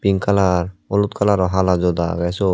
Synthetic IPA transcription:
piŋkalaɹɔlut̪kʰalaɾɔɦalazɔd̪a̰ɡajsɔ

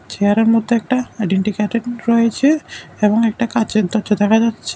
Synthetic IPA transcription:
t͡ɕejaɾeɾmod̪ʱːeɛk̚ʈaajɖeɳʈikaʈeɖɾoet͡ɕʰeeboŋɛk̚ʈakat͡ɕet̪ɔtːt͡ɕʰod̪ɛkʰad͡ʑatːʃʰe̥

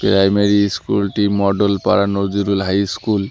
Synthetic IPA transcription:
pɾajmeɾiskṵlʈimɔɖolpa̰ɹanod͡ʒuɾulɦajskul

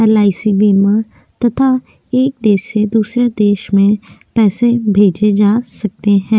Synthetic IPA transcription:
əlaːisiːbiːmãː | t̪ət̪ʰaː | eːk̚d̪eːʃeːd̪uːsɾeːd̪eːʃmẽːpɛːseːbʱeːd͡ʒeːd͡ʒaːsək̚t̪eːɦɛ̃ː

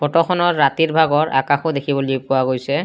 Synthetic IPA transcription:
pɔtɔxʰɔnɔɹːat̪iɹbʱaɡɔɹʔa̰kaxʊd̪ekʰibɔlipowaɡojsɛ

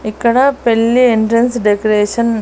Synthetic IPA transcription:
ikːɐɽɐpelːieɳʈɾɐnsɖekɐɾeːʂɐn

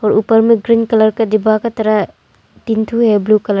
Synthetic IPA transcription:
ɔɾupɐɾmiɡɾinkɐlɐɾkɐdibakɐt̪ɐɾa | tint̪ʰuheblukɐl

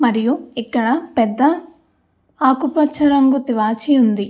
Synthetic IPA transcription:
mɐɾijuikːɐɽɐpɛd̪ːɐ | aːkupɐt͡ʃʰːɐɾɐŋɡut̪iʋaːt͡ʃijund̪i

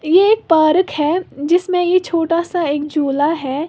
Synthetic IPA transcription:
jeeːk̚paːɾəkhɛd͡ʒɪsmẽjet͡ʃʰoːʈasaeːk̚d͡ʒoːlaɦɛː

